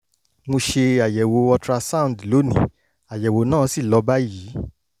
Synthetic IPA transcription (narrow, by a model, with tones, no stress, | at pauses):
mo˧ʃe˧a˨jɛ˨wo˧ɔ˧tɾa˧sa˦ũ˨n˨dlo˨˦nĩ˨ | a˨jɛ˨wo˨˧˦nãː˦˨˦si˦˨lɔ˨˧˦ba˦ji˨˦